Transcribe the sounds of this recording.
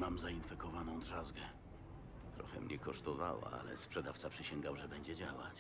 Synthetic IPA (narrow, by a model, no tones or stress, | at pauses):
mamzainfɛkɔvanɔ̃w̃d̪ʐazɡɛ | t̪ɾɔxɛ̰mɲɛkɔʂt̪ɔva̰wa̰a̰lɛ̰spʂɛd̪aft̪sapʂɘɕɛŋɡawʐɛbɛɲd͡ʑɛd͡ʑawa̰t͡ɕ